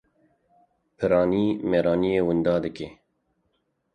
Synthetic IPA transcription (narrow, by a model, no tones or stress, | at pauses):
pʰɨɾɑːniːmeːɾɑːnijeːwɨnd̪ɑːd̪ɨkeː